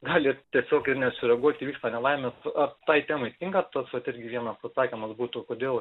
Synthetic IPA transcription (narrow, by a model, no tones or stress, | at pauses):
ɡɑːlʲɪt̪ʲiɛsʲoːkɪɾnʲɛsʲʊɾʲɛɡuɔt̪ʲiːʋʲiːkst̪ɐnʲɛlˠɐɪmʲɛsɐt̪ɐɪt̪ʲæːmɐɪt̪ʲɪŋkɐt̪ɐsʋɐt̪ɪɾʲɡʲɪʋʲiɛnɐsɐsɑːkʲimɐsbuːt̪ʊkoːd̪ʲeːlˠ